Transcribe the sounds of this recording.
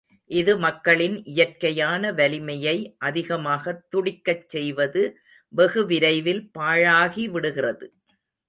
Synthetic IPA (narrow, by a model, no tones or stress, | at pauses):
ʔɪðɯmɐkːɐɭɪnʔɪjɐrkɐjaːnɐʋɐlɪmɐjɐɪʔɐðɪɣɐmaːɣɐt̪ːʊɽɪkːɐt͡ʃsɛjʋɐðɯ | ʋɛɣɯʋɪɾɐɪʋɪlpaːɻaːɣiʋɪɽɯɣɪrɐðɯ